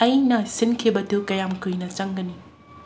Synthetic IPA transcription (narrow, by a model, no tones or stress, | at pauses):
ɐjnɐsinkʰibɐtʰukɐjamkʰɯjnɐt͡ʃɐŋɡɐni